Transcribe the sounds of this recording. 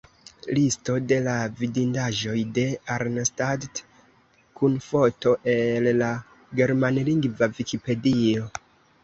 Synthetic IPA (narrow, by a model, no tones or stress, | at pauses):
listo̞de̞lavidindaʒo̞jde̞aɾnstadt | kunfo̞to̞ʔe̞lːa | ɡe̞ɾmanliŋɡvavikipe̞dio̞